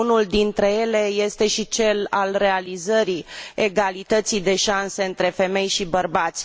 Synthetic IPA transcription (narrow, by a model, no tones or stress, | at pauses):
unuld̪int̪ɾe̞je̞le̞je̞st̪e̞ʃit͡ʃe̞la̰lre̞alizəɾieɡalit̪ət̪sijd̪e̞ʃanse̞ɨnt̪ɾe̞fe̞me̞jʃibərbat̪sʲ